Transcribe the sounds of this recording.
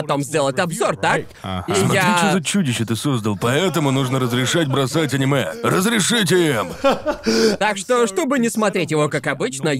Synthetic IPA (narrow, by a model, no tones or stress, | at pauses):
ɐt̪o̞mzʲdʲe̞lˠətʲɐbzo̞rt̪ak | imjaɾit͡ɕɪzət͡ɕudʲɪɕːət̪ɨsozd̪əlˠpɐɛt̪əmʊnuʐnəɾəzɾʲɪʂatʲbɾɐsatʲɐnʲɪmɛrəzɾʲɪʂɨtʲɪɛm | t̪akʂt̪o̞ʂt̪o̞bɨnʲɪsmɐt̪ɾʲetʲjɪvo̞kakɐbɨt͡ɕnə